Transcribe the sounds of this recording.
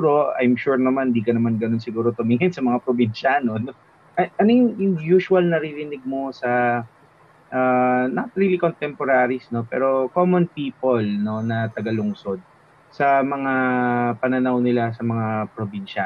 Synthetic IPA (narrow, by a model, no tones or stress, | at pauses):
ɾo̞ʔɐ̰jmʃuɹnɐmand̪iːkɐnɐmanɡɐno̞nsɪɡuːɾo̞t̪ʊmɪŋɪnsɐmɐŋapɾobinʃanono | ʔʔɐnojʊŋjʊŋjuːʃʊɐlnɐɾiɾɪnɪɡ̚mo̞sɐ | ʔanɐt̪̚ɾilikont̪ɛmpoɾaɾisno̞pɛ̰ːɾo̞komonpiːpolno̞nɐt̪ɐɡalʊŋso̞d̪̚ | sɐmɐŋapɐnɐnawnɪlasɐmɐŋapɾobinʃɐ